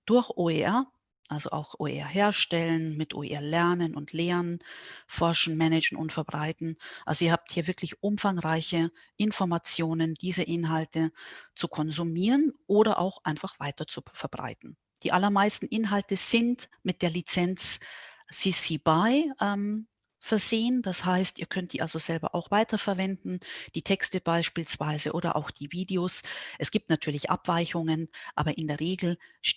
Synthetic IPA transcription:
d̥ʊɐçʔoːeʔɛɐ | ʔalzo̰ʔa̰ʊxʔo̰ːḛɛ̰ɐɦeːɐʃtɛlənmɪtʔo̰ːḛʔɛɐlɛɐnənʔʊntʰleːʁənfɔɐʃn̩mɛnɛd͡ʒn̩ʔʊ̰ntfɛɐbʁaɪtn̩ʔa̰lzoiːɐhaːp̚thiːɐvɪɐklɪçʔʊmfaŋʁaɪçə | ʔɪnfɔɐmat͡sjoːnənd̥iːzəʔɪnɦaltət͡sukʰɔnzumiːʁənʔoːɾɐʔa̰ʊxʔaɪnfaχv̥aɪtɐt͡sufɛɐbʁa̰ɪtn̩ | d̥iːʔalɐmaɪstn̩ʔɪnɦaltəz̥ɪntmɪt̚d̥eːɐlit͡sɛnt͡sː | isibaɪʔɛm | fɛɐzeːənd̥ashaɪstʔḭːɐkʰœnt̚d̥ḭːʔalzoz̥ɛlbɐ̰ʔa̰ʊxv̥aɪtʰɐfɛɐvɛndn̩d̥iːtʰɛkstəb̥aɪʃpiːlsv̥aɪzəʔoːɾɐ̰ʔa̰ʊxd̥iːviːdeoːsʔɛsɡ̥iːp̚tnatʰyːɐlɪçʔa̰pv̥aɪçʊŋənʔa̰ːbɐʔɪndeːɐʁeːɡl̩ʃ

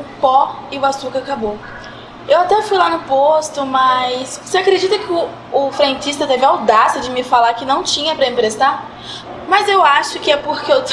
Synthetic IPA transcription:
ʊpɔɪʊasukɐakabo | ewat̪ɛfujlanʊpost̪ʊmɐjsvoseakɾed͡ʒit̪ɐkɪʊ | ʊfɾẽnt͡ʃist̪ɐt̪evɪawd̪asɪɐd͡ʒɪmɪfalaɾkɪnɐ̃w̃t͡ʃĩɲɐpɾɐẽpɾest̪a | mɐzewaʃʊkɪɛpoɾkɪew̪

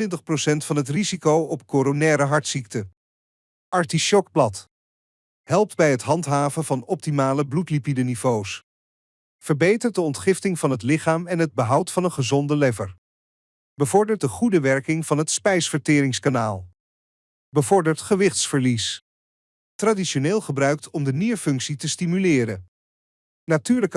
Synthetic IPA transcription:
ɪntəχprosɛntfɑnɦətrizikowɔpkoːɾonɛːɾəɦɑɹtsik̚tə | ʔɑɹtiʃɔk̚blɑt | ɦɛlˠp̚dbɛjɦətɦɑntɦaːvənvɑnɔp̚timaːləblutlipidənivows | fəɹbejtəɹt̚dəɔntχɪftɪŋvɑnɦətlɪχaːmɛnɦəd̚bəɦʌwtfɑnənχəzɔndəlɛvəɹ | bəvɔɹdəɹt̚dəχudəʋɛɹkɪŋv̥ɑnɦətspɛjsfəɹtɪːɾɪŋskanaːlˠ | bəvɔɹdəɹtχəʋɪχtsfəɹlis | traːdiʃoneːlˠχəbrœɥk̚tʰɔmdəniʋəfɵŋksitəstimylɪːɾən | natyːɹlək

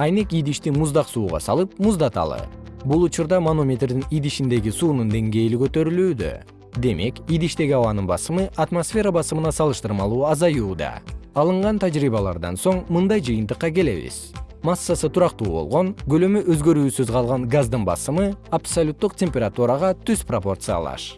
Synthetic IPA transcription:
ajnekid̪iʃt̪imuzd̪ɑqsuːʁɑ̰sɑ̰lˠɯp̚muzd̪ɑt̪ɑ̰lˠɯ̰bulˠut͡ʃuɾd̪ɑmanomʲet̪rd̪inid̪iʃind̪e̞ɡisuːnund̪e̞ŋɡe̞jlikø̞t̪ø̞ɾylyːd̪ø̰ | d̪e̞me̞kid̪iʃt̪e̞ɡʲiɑβɑnɯnbɑ̰sɯmɯʔat̪mosfʲe̞ɾabɑsɯmɯnɑsɑlˠɯʃt̪ɯɾmɑlˠuːɑzɑjuːd̪ɑ̰ɑlˠɯɴʁɑnt̪ʰad͡ʒɾiːβɑlˠɑ̰ɾd̪ɑ̰nso̞ɴmɯnd̪ɑjd͡ʒɨjɨnt̪ɯqːɑke̞le̞̰βḭz̥ | masːasɯt̪ʰuɾɑqt̪ṵːbo̞̰lˠʁo̞nɡø̞lømyøzɡø̞ɾyːsyzqʰɑlˠʁɑnɡazd̪ɯnbɑ̰sɯmɯapsolʲut̪ːuqtʲe̞mʲpʲeɾat̪uɾɑʁɑt̪ʰyz̥propo̞rt̪sɨja̰lˠɑ̰ʃ

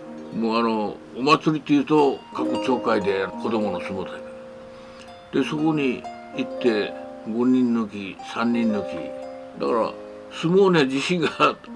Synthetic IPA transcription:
moːano̞ | omat͡sɨɾʲit̪ːe̞jɯ̟ːt̪o̞kakɯ̟t͡ɕo̞ːkaid̪e̞anoko̞d̪o̞mo̞nosɨmot̪aik | d̪̥e̞so̞ko̞ɲ̟i | it̪ːe̞ɡo̞ɲ̟ʲĩnːok̬ʲisãɲ̟ːĩnːokʲḭ | d̪akaɾa̰ | sɨmoːned͡ʑiɕĩŋɡa

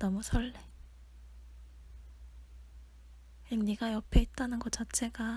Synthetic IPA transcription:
nʌmusʰʌɭːe | eŋniɡajʌpʰeit̚t͈anɯnɡʌt͡ɕat͡ɕʰe̞ɡa

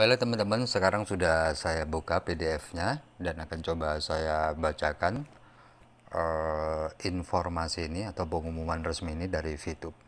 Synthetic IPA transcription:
balat̪əmənt̪əmənsəkaɾaŋsudahsajabukapedeɛfɲadanakant͡ʃobasajabat͡ʃakan | ʔə | infɔrmasiːniat̪awpəŋumumanrəsmiːnidaɾifut̪ʊp̚

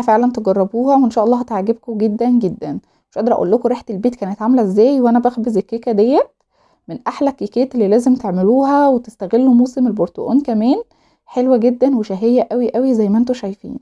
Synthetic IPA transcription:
ʔæfeʕlænt̪eɡɑrˤːɑbuːhæweʔenʃæːʔɑlːɑːhæt̪ʕaɡeb̚koɡed̪ːænɡed̪ːæn | weʃʔɑd̪ɑɾˤʔæʔṵːlːokoɾiːħt̪elbeːt̪kæːnet̪ʕamælæezːæːjweʔænæbæxbezekːækæd̪ejːæt̪̚ | menʔaħlækːikeːt̪elːiːlæːzemt̪eʕmeluːhæwet̪est̪æɣelːumoːsemelboɾt̪o̰ʔo̰ːnkæmæːn | ħelwæɡed̪ːænweʃæɦejːæʔæwiʔæwizæjːmæʔent̪oʃæjfḭːn

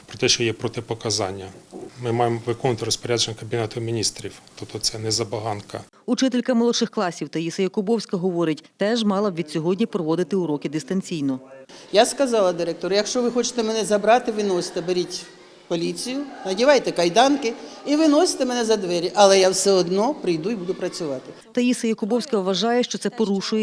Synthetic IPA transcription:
pɾɔt̪ɛʃt͡ʃɔjɛpɾɔt̪ɪpɔkɐzɑ̰nʲːɐmɪmɑjemʋɪkɔnʊt̪ɪɾɔspɔɾʲad͡ʒenʲːɐkɐbʲinɛt̪ʊmʲinʲist̪ɾʲiwt̪ɔpt̪ɔt̪sɛnɛzɐbɐɦɑnkɐ̰ | ut͡ʃɪt̪ɪlʲkɐmɔlˠɔʃɪxklˠɑsʲiwt̪ɐjisɐjɐkʊbɔwsʲkɐɦɔʋɔɾɪtʲt̪ɛʒmɑlˠɐʋʲid̪sʲɔɦɔdʲnʲipɾɔʋɔd̪ɪt̪ɪʊɾɔkɪd̪ɪst̪ɐnʲt͡sʲijnɔjaskɐzɑlˠɐd̪ɪɾɛk̚t̪ɔɾjɐkʃt͡ʃɔʋɪxɔt͡ʃɪ̥t̪ɛmɛnɛzɐbɾɑt̪ɪʋɪnɔsʲɪ̥t̪ɛbeɾʲitʲ | pɔlʲit͡sʲijʊnɐdʲiʋɑjt̪ɛkɐjd̪ɑnkɪiʋɪnɔsʲɪ̥t̪ɛmɛnɛzɐd̪ʋɛɾʲiʔɐlˠɛjawsɛɔd̪nɔpɾɪjd̪uibud̪ʊpɾɐt͡sʲʊʋɑt̪ɪ | t̪ɐjisɐjɐkʊbɔwsʲkɐʋɐʒɑjɛʃt͡ʃɔt̪sɛpɔɾuʃʊjɛ

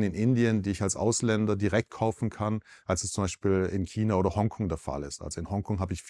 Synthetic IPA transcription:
nɪnʔɪndiəndiːɪçalsʔa̰ʊslɛndɐdiʁɛk̚t̚kʰaʊfn̩kʰanʔalsɛst͡sʊmbaɪʃpiːlɪ̰nkʰiːnaʔoːɾɐhɔŋkʰɔŋdeːɐfa̰lɪstʔa̰lzoɪnhɔŋkʰɔŋɦaːbəɪçf

